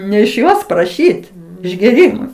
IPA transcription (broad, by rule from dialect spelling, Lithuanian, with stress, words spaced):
nʲɛ ɪʃ ˈjoːs prɐˈʃʲiːt ɪʒʲɡʲeːˈrʲiːmʊɪ